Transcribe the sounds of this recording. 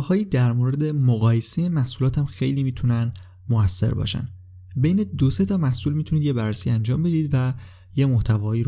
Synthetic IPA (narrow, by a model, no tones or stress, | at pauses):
hɒːjiːd̪æɾmoɾe̞d̪emoɣɒːjesejemæhsulɒːt̪ʰæmxejliːmiːt̪ʰunæn | moæsːe̞̰ɾbɒ̰ʃæ̰n | be̞jne̞d̪ose̞t̪ʰɒːmæhsuːlmiːt̪ʰuniːd̪je̞bærːesiænd͡ʒɒːmbe̞d̪iːd̪væ | jemoht̪ʰævɒːiːɾ